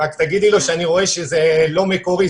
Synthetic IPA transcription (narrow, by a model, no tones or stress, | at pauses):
akt̪aɡid̪ilo̞ʃeaniʁo̞e̞ʃezelo̞mekoʁi